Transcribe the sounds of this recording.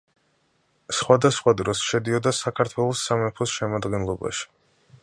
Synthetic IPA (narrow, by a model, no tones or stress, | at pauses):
sχwad̪asχwad̪ɾɔsʃɛd̪iɔd̪asakʰaɾt̪ʰwɛlˠɔsːamɛpʰɔsʃɛmad̪ɡɛnlˠɔba̰ʃi̥